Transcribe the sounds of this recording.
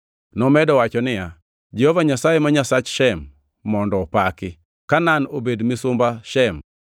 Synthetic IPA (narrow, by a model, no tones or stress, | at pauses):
nɔmɛdɔwat͡ʃɔnɪja | d͡ʒehovaɲasajemaɲasat͡ʃʃɛmː | ɔndɔːpakɪ | kananobedmɪsʊmbaʃɛm